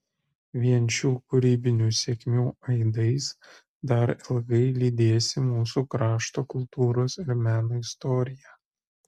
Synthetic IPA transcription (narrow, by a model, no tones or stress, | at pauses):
ʋʲiɛnʲt͡ʃʲuːkʊɾʲiːbʲɪnʲuːsʲeɛkʲmʲuːɐɪd̪ɐɪs | d̪ɐɾɪlˠɡɐɪlʲiːd̪ʲeːsʲɪmuːsuːkɾɑːʃt̪oːkʊlˠt̪uːɾoːsɪɾmʲæːnoːɪst̪ɔːɾʲɪjæː